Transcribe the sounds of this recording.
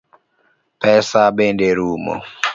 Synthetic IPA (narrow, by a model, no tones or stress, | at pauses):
pɛsabendeɾumo̰